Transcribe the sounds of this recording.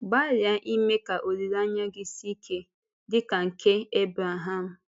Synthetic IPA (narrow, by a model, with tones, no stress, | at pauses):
ba˦lja˨ʔi˦me˦ka˨ʔo˨ɾi˨ɾa˦ɲa˦ɡɪ˦si˦kʰe˦ | dɪ˦ka˨ŋ̩˨kʰe˦e˦bɾa˨ɦa˦m̩˨